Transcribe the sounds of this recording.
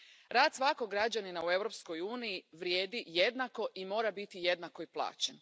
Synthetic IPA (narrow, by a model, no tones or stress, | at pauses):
ɾaːd̪sʋakoɡɾad͡ʑaninaue̞ʋɾo̞psko̞juːnijiʋɾjeːd̪ijed̪nako̞ʔimo̞ːɾabit̪ije̞d̪nako̞iplˠa̰ːt͡ɕen